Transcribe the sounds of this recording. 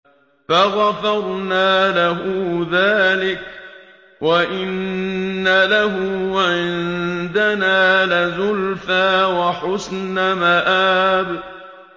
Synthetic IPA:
faɣafɑɾˤnaːlaɦʊðaːlɪk̚ | waʔɪnː | alaɦʊʕɪnd̪anaːlɪzʊlfaːwaħʊsnamaʔaːb

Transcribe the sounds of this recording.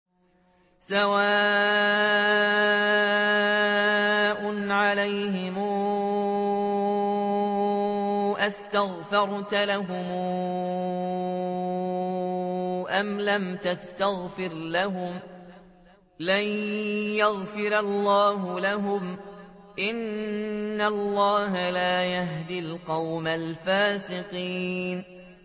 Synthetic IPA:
sawaː | ʔʊnʕalajhɪmu | ʔast̪aɣfɑɾˤt̪alaɦʊmuː | ʔamlamt̪ast̪aɣfɪɾlaɦʊm | lanjaɣfɪɾalːɑːɦʊlaɦʊm | ʔɪnː | alˤːɑːɦalaːjaɦd̪ɪlqɑwmalfaːsɪqiːn

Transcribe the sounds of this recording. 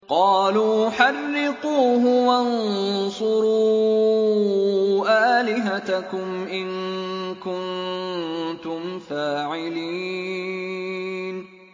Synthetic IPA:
qɑːluːħarːɪquːɦʊwansˤʊɾu | ʔaːlɪɦat̪akʊmʔɪŋkʊn | t̪ʊmfaːʕɪliː | n

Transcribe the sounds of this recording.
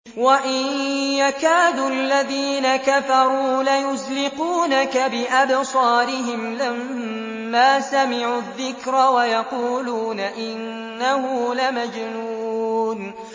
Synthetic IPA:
waʔɪnjakaːd̪uːalːaðiːnakafɑɾˤuːlajʊzlɪquːnakabɪʔabsˤɑːɾɪɦɪmlamː | aːsamɪʕuðːɪkɾawajɑquːluːnaʔɪnː | ahʊlamad͡ʒnuːn

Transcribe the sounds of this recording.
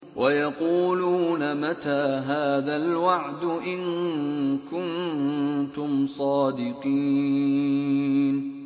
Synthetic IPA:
wʔajɑquːluːnamat̪aːɦaːðalwaʕd̪ʊʔɪŋ | kʊn | t̪ʊmsˤɑːd̪ɪqiː | n

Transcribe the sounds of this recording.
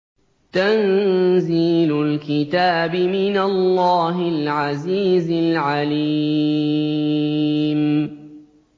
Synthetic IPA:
t̪anziːlʊlkɪt̪aːbɪmɪnalːaːɦɪlʕaziːzɪlʕaliː | m

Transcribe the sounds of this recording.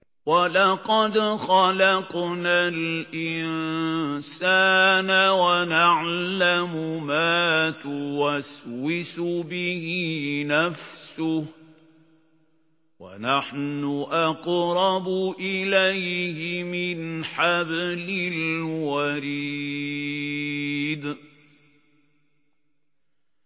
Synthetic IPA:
walɑqɑd̪xɑlɑqnalʔɪnsaːnawanaʕlamʊmaːt̪ʊwaswɪsʊbɪhɪnafsʊh | wa̰naħnʊʔɑqɾˤɑbʊʔɪlajhɪmɪnħablɪlwaɾi | d̪

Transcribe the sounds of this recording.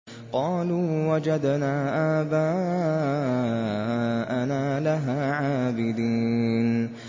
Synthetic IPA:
qɑːluːwad͡ʒad̪naːʔaːbaː | ʔanaːlaɦaːʕaːbɪd̪iːn

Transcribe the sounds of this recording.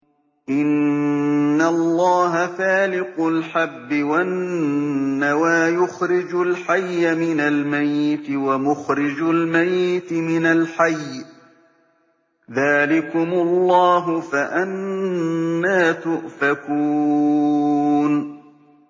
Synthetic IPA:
ʔɪnː | alˤːɑːɦafaːlɪqʊlħabːɪwaʔɪnːawaːjʊxɾɪd͡ʒʊlħajːamɪnalmajːɪt̪ɪwamʊxɾɪd͡ʒʊlmajːɪt̪ɪmɪnalħajː | ðaːlɪkʊmʊlˤːɑːɦʊfaʔanː | aːt̪ʊʔfakuː | n

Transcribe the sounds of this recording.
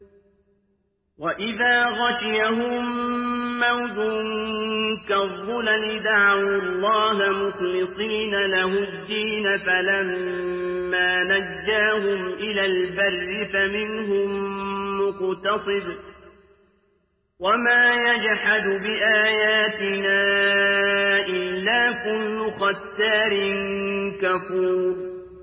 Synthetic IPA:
waʔɪðaːɣaʃɪjaɦʊmː | awðʊ | kaðˤːʊlalɪd̪aʕawlˤːɑːɦamʊxlɨsˤiːnalaɦʊd̪ːiːnafalamː | aːnad͡ʒːaːɦʊmʔɪlaːlbarːɪfamɪnɦʊmːʊqt̪ɑsˤɨd̪ | wamaːjad͡ʒħad̪bɪʔaːjaːt̪ɪnaː | ʔɪlːaːkʊlːʊxat̪ːaːɾɪnkafuːɾ

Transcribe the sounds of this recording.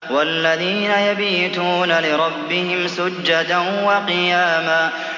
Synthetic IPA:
walːaðiːnajabiːt̪uːnalɪɾˤɑbːɪhɪmsʊd͡ʒːad̪anwɑqɨjaːmaː

